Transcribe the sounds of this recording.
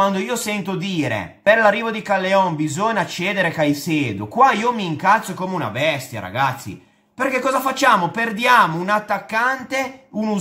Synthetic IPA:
wand̪oiːosɛnt̪od̪iːɾḛperlarːiːvod̪ikalːeɔmbizoɲat͡ʃːeːd̪eɾekajseːd̪okwaiːomiːŋkat̪sːokoːmeuna̰bɛst̪ja̰ɾa̰ɡat̪sːḭ | perkekːɔːzafat͡ʃːaːmoperd̪jaːmounat̪ːakːant̪eunu

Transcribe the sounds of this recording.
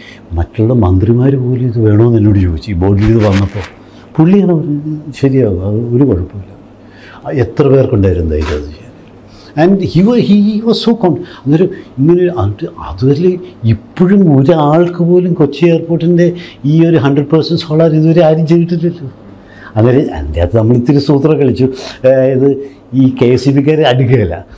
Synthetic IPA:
mɐtːuuɽemɐnd̪rimaːɾupo̞ːlumiðɨʋe̞ːɳoːnɐlːoːɽut͡ɕoːʋit͡ɕːɨbo̞ːɖililiðɨʋɐnːɐpːo̞ː | puɭːijaːɳɐʋɐɾɕɐɾijaːðɨɐðɨoɾukoɻɐpːoːla | et̪rɐpe̞ːrkoɳɖaːjiɾunːɐða̰ːjiða̰ðɨt͡ɕejn | ɐnɖhiʋhiʋɐzsoːkoːɳɖɐnːaːɾoiŋːɐnɐʈɨɐ̰ðuʋɐɾileipːoɻumoɾuaːɭkɨpo̞ːlumkot͡ɕːie̞ːrporʈːinde̞iːo̞ɾuɦɐɳɖrɐɖpɐrsɐnɖsoːɭaːɾiðuʋɐɾeaːɾimt͡ɕejiʈːilːɐlːɐ | ɐnːaːleɐ̰ndja̰ːt̪enɐmːɐɭit̪ːiɾɨsuːt̪rɐkɐɭit͡ɕːuiðɨ | iːkejsipik̬ʲːaːɾeɐɽukːɐɐlːɐ̰

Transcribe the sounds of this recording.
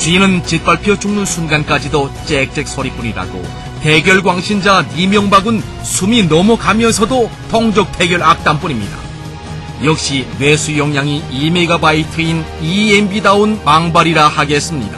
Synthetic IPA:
t͡ɕɥinɯnt͡ɕit̚p͈aɭpʰjʌt͡ɕ͈ʰuŋnɯnsʰunɡank͈ad͡ʑidʌt͡ɕ͈ek̚t͡ɕ͈e̞k̚sʰʌɾip͈uɲiɾa̰ɡo̰ | te̞ɡjʌɭɡwaŋɕʰind͡ʑamimjʌŋbaɡɯn | sʰuminʌmukamjʌnsʰʌdo | tʌŋd͡ʑʌk̚tʰe̞ɡjʌɭak̚t͈anp͈uɲimɲida̰ | jʌk̚ɕ͈inwe̞sʰujʌŋjaŋiime̞ɡabaitʰɯiniembidaonmaŋbaɾiɾahaɡe̞s͈ɯmɲḭda̰

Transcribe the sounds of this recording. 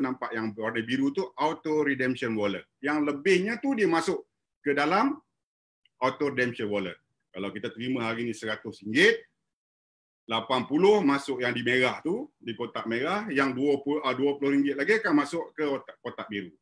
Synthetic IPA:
nampaʔjaŋornəbiɾut̪uawt̪oɾidɛmʃənwolə | jaŋləbɪhɲat̪udiəmasʊʔ | kədalam | at̪oɾedɛmʃənwolə̰ | kalawkit̪at̪əɾimãɦaɾinĩsəɾat̪ʊsiŋɡɪt̪̚ | lapanpulʊhmasʊʔjaŋdimeɾaht̪udikot̪aʔmeɾahjaŋduəpuʔəduəpulʊhɾiŋɡɪt̪̚laɡikanmasʊʔkəkot̪aʔbiɾu

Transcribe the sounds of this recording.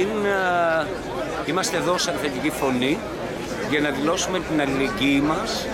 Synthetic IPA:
in | imɐst̪eðosɐɾɣɐt̪icifo̞ni | ʝɐnɐðilo̞sume̞t̪inɐlileɲɟimɐs

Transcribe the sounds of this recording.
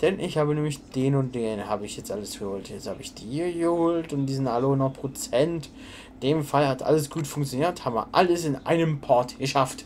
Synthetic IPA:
d̥ɛnʔɪçhaːbənɛːmɪçd̥eːnʊnt̚d̥eːnɦaːbəɪçjɛt͡stʔaləsɡ̥əhoːltjɛt͡shaːbəɪçd̥iːɡəhoːltʊntd̥iːzɪntʔaləhʊnɔχpʁ̥ot͡sɛnt | d̥eːmfalhatʔa̰ləsɡ̥uːtfʊŋkt͡sjoniːɐthaːbə̰ʔa̰ləsɪnʔa̰ɪnəmpʰɔɐtɡ̥əʃaft

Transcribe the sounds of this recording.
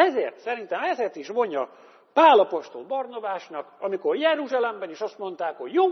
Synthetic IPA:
ɛzeːrt̪sɛɾint̪ɛmɛzeːrt̪iʃʋo̞ɲːɒ | paːlɒpo̞ʃt̪o̞lbɒrnɒbaːʃnɒkɒmiko̞rjɛɾuʒaːlɛmbɛniʃɒst̪mo̞nt̪aːkho̞ɟjoː

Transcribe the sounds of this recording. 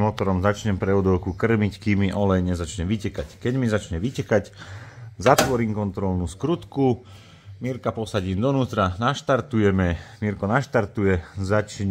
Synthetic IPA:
mɔt̪ɔɾɔmzat͡ʃɲɛmpɾɛɔd̪ɔʊkukr̩mickimːiʔɔlɛjɲɛzat͡ʃɲɛmʋicɛkackɛɟmizat͡ʃɲɛʋicɛkac | zat̪ʋɔɾiːmkɔnt̪ɾɔlnuːskɾut̪ku | miɾkapɔsaɟiːmd̪ɔnuːt̪ɾanaʃt̪aɾt̪ujɛmɛmiɾkɔnaʃt̪aɾt̪ujɛzat͡ʃɲ

